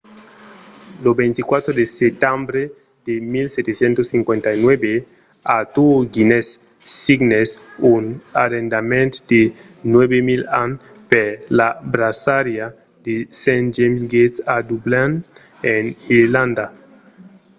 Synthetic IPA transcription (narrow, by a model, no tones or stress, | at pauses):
lobent̪ikwat̪ɾod̪eset̪ambɾe | d̪̥emilset̪esjent̪osiŋkwẽnt̪ainwebe | at̪uɡinesː | iɡnesunaɾend̪amẽnt̪d̪̥e | nwebemilan | peɾlabɾasaɾja | d̪̥esẽnd͡ʒemɡet̪sad̪ublan | eniɾland̪a